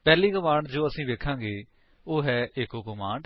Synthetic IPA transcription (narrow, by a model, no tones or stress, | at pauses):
pɛːliːɡəmaːɳd͡ʒoːəsĩːʋeːkʰãːŋɡeː | oːɦɛːʔɪkoːkomaːɳɖ